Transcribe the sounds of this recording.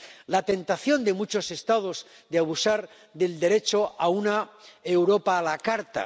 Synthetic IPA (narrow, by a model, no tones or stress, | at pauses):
lat̪e̞nt̪aθjo̞nd̪e̞mut͡ʃo̞se̞st̪að̞o̞z | d̪eaβusaɾ | ðe̞ld̪e̞ɾe̞t͡ʃoaunae̞wɾo̞paːlakaɾt̪a̰